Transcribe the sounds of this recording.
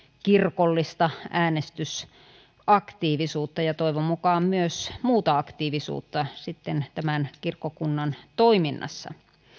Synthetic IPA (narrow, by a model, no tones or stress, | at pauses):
kirkolːist̪ɑæːnest̪ys | ʔɑkt̪iːʋisuːt̪ːɑjɑt̪oiʋommukɑːmmyøsmuːt̪ɑɑkt̪iːʋisṵːt̪ːɑsit̪ːent̪æmænkirkːokunːɑnt̪oiminːɑ̰sːɑ̰